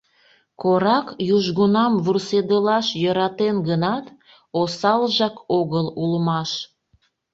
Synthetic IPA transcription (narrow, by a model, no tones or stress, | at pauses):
koɾɑkjuʒɣunɑmβursed̪əlɑʃjəɾɑt̪enɡənɑt̪ | osɑlʒɑkoɣəlulmɑʃ